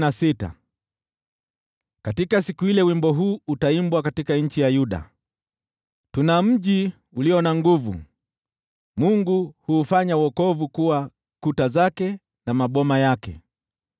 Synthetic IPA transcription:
nasita̰ | katikasikuilɛwimbɔɦuːutaimbwakatikaɲ̩t͡ʃijajuɗa̰ | tunam̩ʄi | uliɔnaŋɡuvṵ | muŋɡuhuːfaɲawɔkɔvukuwa | kutazakɛ | namaɓɔmajakɛ̰

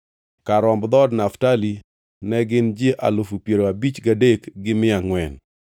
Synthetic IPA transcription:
kaɾɔmbd̪ɔdnaftali | nɛɡɪnd͡ʒɪʔa̰lofupjeɾoabit͡ʃɡadekɡɪmɪaŋwɛn

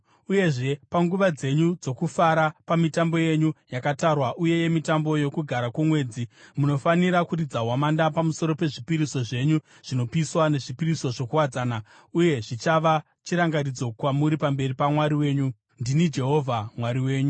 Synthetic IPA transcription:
uje̞ʐe̞paŋɡuʋad͡ze̞ɲud͡zo̞kufaɾapamitambo̞je̞ɲujakatarwaʔuje̞je̞mitambo̞jo̞kuɡʱaɾakumwe̞ːd͡zimuno̞faniɾakurid͡zaɦwamandapamuso̞ɾo̞pe̞ʐipiɾiso̞ʐe̞ɲu | ʐ̥ino̞piswane̞ʐipiɾiso̞ʐo̞kuwad͡zaːna | uje̞ʐit͡ʃaʋa | t͡ʃiɾaŋɡaɾid͡zo̞kwamuɾipambe̞ripamwaɾiwe̞ːɲu | ndinid͡ʒe̞ɦo̞vʱamwaɾiwe̞ːɲu

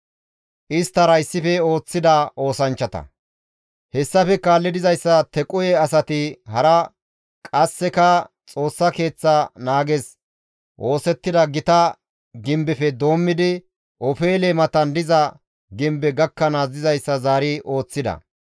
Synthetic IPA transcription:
ʔɪst̪ːɐɾɐjɪsːɪfɛo̞ːt͡sːɪd̪ɐo̞ːsɐnt͡ʃːɐt̪ɐ̰ | hɛsːɐfɛkaːlːɪd̪ɪzɐjsːɐt̪ɛkʼʊjɛɐsɐt̪ɪɦɐɾɐ | kʼɐsːɛkɐ | t͡sʼo̞ːsːɐke̞ːt͡sːɐnaːɡɛs | ʔo̞ːsɛt̪ːɪd̪ɐɡɪt̪ɐ | ɡɪmbɛfɛd̪o̞ːmːɪd̪ɪ | ʔɔfe̞ːlemɐt̪ɐnd̪ɪzɐ | ɡɪmbɛɡɐkːɐnazɪzɐjsːɐzaːɾɪʔo̞ːt͡sːɪd̪ɐ̰

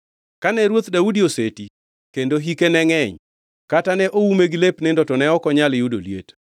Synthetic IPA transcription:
kanɛɾwot̪daudioseti | kendoɦikenɛŋɛɲ | katanɛʔoumeɡilepnɛndɔtɔnɛɔkɔɲalɪjudo̰ljḛt

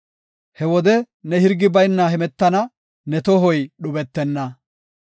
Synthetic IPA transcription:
hɛwɔd̪ɛ | nɛhɪɾɡɪbɐjnːaɦɛmɛt̪ːɐnɐ | nɛt̪ɔɦɔjɗʊbɛt̪ːɛnːɐ

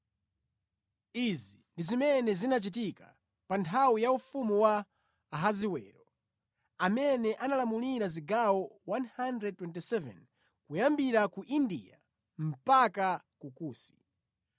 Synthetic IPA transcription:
izindizimɛnɛzinat͡ʃit̬ika̰ | pantʰawijaufumuwaː | ɦaziwɛ̰ːɾɔ | amɛnɛʔanalamuniɾaziɡawɔwanhandɾɛd̚twɛntisɛvɛ̰n | kujambiɾakuʔindḭa | m̩paka | kukuːsi̥

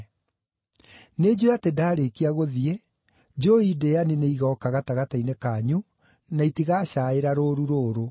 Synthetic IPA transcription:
ned͡ʒoatedaːɾekiaɣoðie | d͡ʒoideanineiɣɔkaɣataɣatainekaːɲu | naitiɣaːɕaːeɾaɾoːɾuɾoːɾo

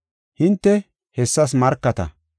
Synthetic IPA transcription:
hɪnt̪ːɛ | hɛsːɐs̬mɐɾkːɐt̪ɐ̰

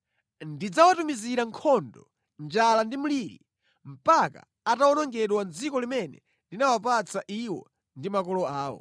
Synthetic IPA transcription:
ndid͡zawatumiziɾaŋkʰɔndɔ | nd͡ʒalandimuliːɾḭ | m̩paka̰ːtawɔnɔŋɡɛɗwand͡zikɔlimɛnɛ̰ | linawapat͡saʔiwɔ̰ | ndimakɔlɔaːwɔ̰

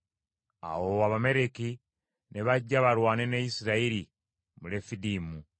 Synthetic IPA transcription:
a̰woaβame̞ɾe̞ki | ne̞βaɟːaβaɾwaːne̞nejisiɾaiɾi | mule̞fidiːmu

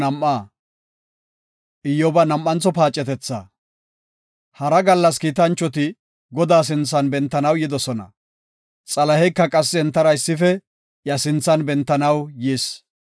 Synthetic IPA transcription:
ɐmʔaː | ʔɪjːɔbɐnɐmːɐnt͡sːɔpaːt͡ʃʼːɛt̪ɛt͡sːɐ̰ː | hɐɾɐɡɐlːɐskiːt̪ɐnt͡ʃːɔt̪ɪ | ɡɔd̪aːs̬ɪnt͡sːɐnbɛnt̪ːɐnɐwjɪd̪ɔsɔnɐ̰ | t͡sʼɐlɐhɛkːɐkʼɐsːɛɛnt̪ːɐɾɐɪsːɪfɛ | jɐsɪnt͡sːɐnbɛnt̪ːɐnɐwjiːs

